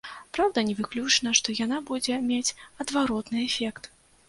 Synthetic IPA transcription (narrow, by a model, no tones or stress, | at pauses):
pɾawd̪ɐnʲɛvɨklʲut͡ʂnɐʂt̪ɔjanabud͡zʲɛmʲat͡sʲɐd̪vaɾɔt̪nɨɛfʲɛkt̪